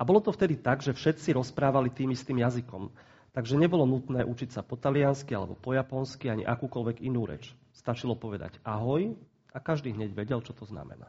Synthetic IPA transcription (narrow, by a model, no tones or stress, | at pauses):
ʔabɔlɔt̪ɔft̪ɛd̪it̪aɡʒɛfʃɛt̪t͡siɾɔspɾaːʋalit̪iːmist̪iːmjazikɔ̰m | t̪aɡʒɛɲɛbɔlɔnut̪nɛːʔut͡ʃicsapɔt̪alɪanskialɛ̰bɔ̰pɔjapɔnskiaɲḭʔakuːkɔlʋɛɡinuːɾɛ̰t͡ʃ | st̪at͡ʃilɔpɔʋɛd̪a̰ɟaɦɔj | ʔakaʒd̪iːɦɲɛɟʋɛɟɛlt͡ʃɔt̪ɔzna̰mɛ̰na̰